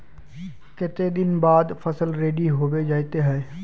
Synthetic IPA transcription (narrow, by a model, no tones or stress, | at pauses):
kɪt̪ed̪ɪnbaːd̪pʰɐsəlɾeːɖiɦoːbed͡ʒaːit̪eɦɛː